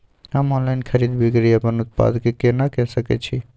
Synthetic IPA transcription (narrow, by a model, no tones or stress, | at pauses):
amɔ̃nlajnkʰəɾid̪bikɾiapənuʊt̪̚pa̰d̪kekenakɛʃəkḛt͡ʃʰi